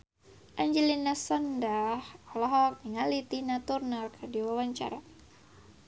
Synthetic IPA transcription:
ʔaɲd͡ʒɛlinasɔndahɔlɔɦɔk̚niŋalit̪inat̪urnalkʰɨrdiwawaɲt͡ʃa̰ɾa

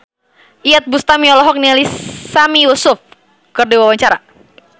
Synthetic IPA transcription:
ʔiat̪̚bust̪amiɔlɔɦɔk̚nialisamiusʊf | kɨrdiwawaɲt͡ʃaɾa

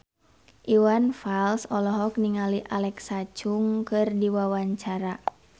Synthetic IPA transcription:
ʔiwanfalsɔlɔɦɔk̚niŋaliʔalɛksat͡ʃuŋkɨrdiwawaɲt͡ʃaɾa

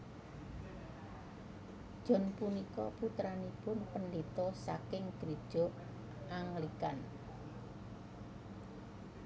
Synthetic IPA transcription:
d̥ʒ̥ɔ̤npunikɔput̪ɾanipʊnpənlit̪ɔsakɪŋɡ̥ɾid̥ʒ̥ɔ̤ | ʔaŋlikan

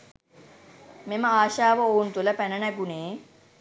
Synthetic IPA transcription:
meməaːʃaːʋəount̪uləpænənæɡuneː

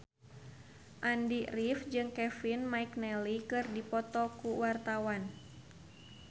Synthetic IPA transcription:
ʔandirifd͡ʒɨŋkɛfinmaiknɛlikɨrdipɔt̪ɔkuwart̪awan

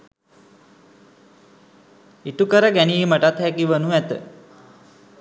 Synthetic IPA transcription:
iʈukəɾəɡæniːməʈat̪hækiʋənuæt̪ə̰

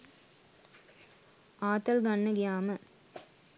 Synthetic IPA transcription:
aːt̪ɐlɡɐɳːɐɡɪjaːmɐ

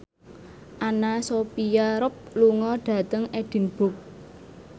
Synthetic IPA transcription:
ʔanasopijaɾʊp̚luŋɔɖ̥ä̤t̪əŋeɖ̥i̤nb̥ʊk̚

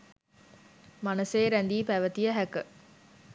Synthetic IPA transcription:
manɐseːɾænd̪iːpæʋət̪ijəɦækə

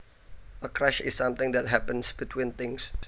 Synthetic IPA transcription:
ʔəkɾɛʃɪ̰sːamt̪ɪ̃ŋd̪ɛt̚ɦæpə̃nsb̥it̪ʰwint̪ɪŋs

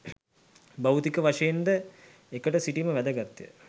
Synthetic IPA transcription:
bɐwt̪ikəʋaʂɐjend̪ə | ekəʈəsiʈiməʋæd̪əɡat̪ːjə̰

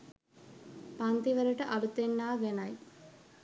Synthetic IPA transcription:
pɐnt̪iʋɐɾɐʈɐʔɐlut̪ːenːaːʋenaj

